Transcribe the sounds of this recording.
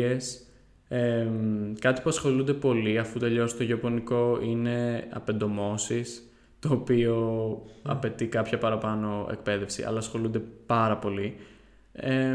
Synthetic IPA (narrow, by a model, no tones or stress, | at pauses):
es | ekɐt̪i̥puɐsxo̞lund̪epo̞liɐfut̪e̞ʎost̪oʝopo̞niko̞ine̞ɐ̰pe̞nd̪o̞mo̞sis | t̪o̞ːpio̞ɐ̰pe̞t̪ikɐpçɐpɐɾɐpɐno̞ḛk̚pe̞ðe̞fsḭʔɐ̰lɐːsxo̞lund̪epɐɾɐpo̞li | e